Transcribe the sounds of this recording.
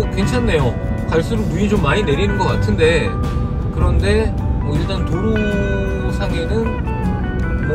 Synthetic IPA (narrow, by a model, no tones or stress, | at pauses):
kwe̞nt͡ɕʰanːe̞jo | kaɭs͈uɾumuit͡ɕomːaɲine̞ɾinɯnɡʌk͈atʰɯnde̞ | kɯɾʌnde̞ | mʌiɭt͈antoɾu | sʰaɡe̞nɯn | m